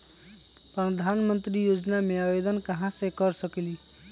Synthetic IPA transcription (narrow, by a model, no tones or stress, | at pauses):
pɾəd̪ʱanmənt̪ɾijod͡ʒnameabed̪ənkəɦãsẽkəɾsəkili